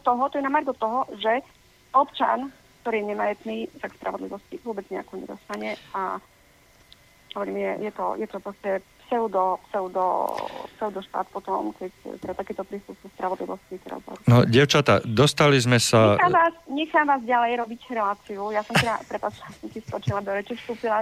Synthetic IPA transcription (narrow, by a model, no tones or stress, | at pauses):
t̪ːɔɦɔt̪ɔjɛnamaɾɡɔt̪ːɔɦɔʒɛ | ɔpt͡ʃa̰n | kt̪ɔɾiːjɛɲɛmajɛt̪niːsakspɾʔa̰ʋɔd̪liʋɔsciʋʊɔbɛd͡zɲɛakɔɲɛ̰d̪ɔst̪aɲɛa̰ | ɦɔʋɔɾiːmjɛjɛt̪ɔ̰jɛt̪ɔpɾɔscɛpsɛud̪ɔpsɛʊd̪ɔ̰psɛʊd̪ɔʃt̪a̰ːt̪̚pɔt̪ɔmkɛct̪ɛd̪at̪akɛːt̪ɔpɾiːst̪uxsuspɾaʋɔd̪lḭʋɔscik̪ɾɔ̰zɦɔ̰unɔɟɛʊt͡ʃat̪a̰d̪ɔst̪alizmɛsaamaːsɲɛxaːmʋaːzɟalɛjɾɔbicɾɛlaːt͡siujasɔmɛd̪a̰pɾɛpat͡ʃilasɔmt̪ist̪ɾɔt͡ʃilad̪ɔɾɛt͡ʃifst̪uːpila